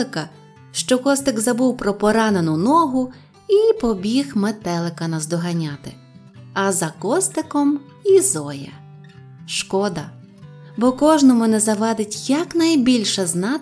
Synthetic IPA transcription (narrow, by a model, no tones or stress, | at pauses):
kɐ | ʃt͡ʃɔkɔst̪ɪɡzɐbuwpɾɔpɔɾɑnenʊnɔɦʊ | ipɔbʲixmet̪ɛlˠɪkɐnɐzd̪ɔɦɐnʲɑt̪ɪ | ɐzɐkɔst̪ɪkɔm | izɔjɛ̰ | ʃkɔd̪ɐ | bɔkɔʒnɔmʊnɛzɐʋɑd̪ɪtʲjɐknɐjbʲilʲʃɛznɑ